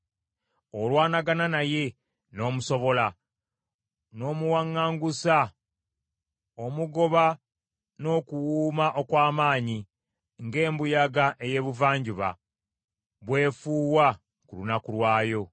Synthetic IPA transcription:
olwaːnaɡananaje̞ | no̞ːmuso̞βo̞la | no̞ːmuwaŋːaːŋɡusa | o̞muɡo̞βa | no̞kuwuːmaʔo̞kwaːmaːɲi | ŋɡe̞ːmbujaɡaʔe̞je̞ːβuvaːɲɟuβa̰ | βwe̞ːfuːwa | kulunakulwaːjo̞

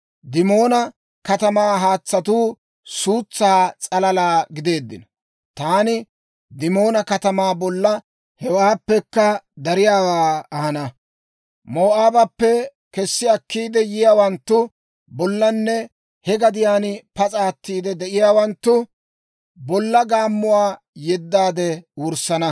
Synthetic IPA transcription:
d̪ɪmo̞ːnɐ | kɐt̪ɐmaːɦaːt͡sːɐt̪uː | suːt͡sːaːt͡sʼɐlɐlaːɡɪd̪e̞ːd̪ːɪ̰nɐ | t̪aːnɪ | d̪ɪmo̞ːnɐkɐt̪ɐmaːbɔlːɐ | hɛwaːpːɛkːɐd̪ɐɾɪjaːwaːɐhɐnɐ | moːʔaːbɐpːɛ | kɛsːɪɐkːiːd̪ɛjɪjaːwɐnt̪ːʊ | bɔlːɐnːɛ | hɛɡɐd̪ɪjaːnpɐt͡sʼaːt̪ːiːd̪ɛd̪ɛʔɪjaːwɐnt̪ːʊ | bɔlːɐɡaːmːʊwaː | jɛd̪ːaːd̪ɛwʊɾsɐnɐ

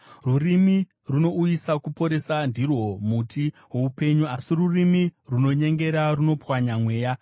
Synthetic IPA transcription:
rurimi | runo̞ujisakupo̞ɾe̞sandirwo̞mutʰi | weupe̞ɲuasirurimiruno̞ɲe̞ŋɡe̞ɾaruno̞pwaɲamwe̞ːja

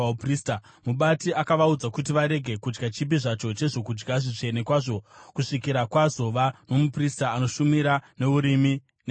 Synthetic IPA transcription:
prista | muɓatiʔakaʋaud͡zakut̬iʋaɾe̞ɡʱe̞kud͡ʒɡat͡ʃip̬iʐat͡ʃo̞t͡ʃe̞ʐo̞kud͡ʒɡaʐit͡ʂe̞ne̞kwaʐo̞kuʂikiɾakwazo̞ʋano̞mupristaːno̞ʃumiɾane̞uɾimi | ne

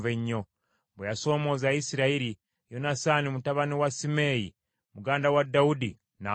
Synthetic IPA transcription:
veɲːo | bwejaso̞ːmo̞zajisiɾaiɾi | jonasaːnimutaβaniwasimeːji | muɡaːndawadaudi | na

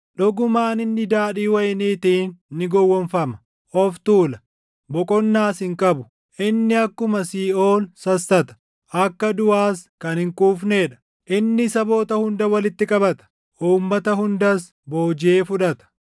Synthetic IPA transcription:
ᶑɔɡʊmaːnɪnːɪd̪aːᶑiːwɐjniːt̪iːnːɪɡɔwːɔnfɐmɐ̥ | ʔɔft̪uːlɐ | bɔkʼɔnːaːsɪŋkʼɐbʊ | ʔɪnːɪɐkːʊmɐsiːo̞ːlsɐsːɐt̪ɐ̥ | ʔɐkːɐd̪ʊaːskɐnhɪŋkʼuːfne̞ːᶑɐ̥ | ʔɪnːɪsɐbo̞ːt̪ɐhʊnd̪ɐwɐlɪt̪ːɪkʼɐbɐt̪ɐ̥ | ʔuːmːɐt̪ɐɦʊnd̪ɐs | bo̞ːd͡ʒɪeːfʊᶑɐt̪ɐ̥

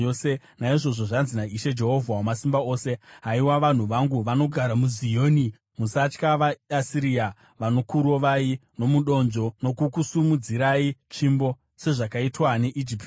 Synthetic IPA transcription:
ose̞ | naiʐo̞ʐo̞ʐanzinaiʃe̞d͡ʒe̞ɦo̞vʱawamasimbao̞ːse̞ɦaiwaʋan̤uʋaŋɡuʋano̞ɡʱaɾamuzijoːni | musat͡ʃkaʋaasiɾia | ʋano̞kuɾo̞ʋaino̞muɗo̞nd͡ʒo̞no̞kukusumud͡ziɾait͡ʂimbo̞ | se̞ʐakaitwane̞ʔid͡ʒipt

